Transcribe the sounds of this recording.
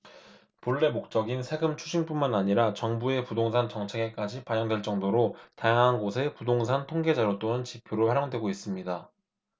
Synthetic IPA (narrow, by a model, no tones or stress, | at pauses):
poɭːe̞mok̚t͡ɕ͈ʌɡinsʰe̞ɡɯmt͡ɕʰuɕʰinp͈unmanaɲiɾat͡ɕʌŋbue̞pudoŋsʰant͡ɕʌŋt͡ɕʰe̞ɡe̞k͈ad͡ʑipajʌŋdwe̞ɭt͡ɕ͈ʌŋdoɾotajaŋɦanɡosʰe̞pudoŋsʰantʰoŋɡe̞d͡ʑaɾot͈onɯnt͡ɕipʰjoɾopʰaɾjʌŋdwe̞ɡois͈ɯmɲida